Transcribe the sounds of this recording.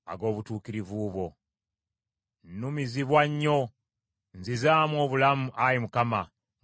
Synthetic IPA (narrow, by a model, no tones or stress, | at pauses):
a̰ɡo̞ːβutuːkiɾivuːβo̞ | nːumiziβwaɲːo̞ | nzizaːmwo̞ːβulamuʔajimukama